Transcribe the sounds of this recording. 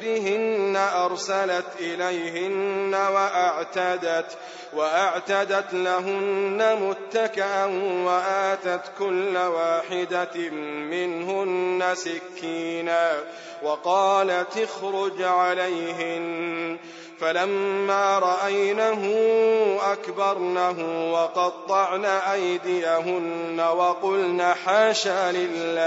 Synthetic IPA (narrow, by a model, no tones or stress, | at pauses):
ɾɪɦɪnːaʔɑɾˤsalat̪ʔɪlajhɪnːawaʔaʕt̪ad̪at̪ | waʔaʕt̪ad̪at̪laɦʊnːamʊt̪ːakɪʔanwaʔaːt̪at̪kʊlːawaːħɪd̪amɪnhʊnːasɪkːiːnaː | wɑqɑːlat̪ɪxɾʊd͡ʒʕalajɦɪn | falamːaːɾˤɑʔajnaɦʊʔakbɑɾˤnaɦʊwɑqɑtt̪ˤːɑʕnaːʔajd̪ɪjaɦʊnːawɑqʊlnaːħaːʃaːlɪlːaː